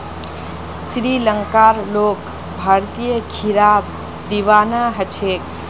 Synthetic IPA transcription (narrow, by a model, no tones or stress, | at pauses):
sɾiləŋkaɾlok | bʱaɾt̪ijəkʰiɾab̚ | d̪iʋanaɦət͡ʃʰek̚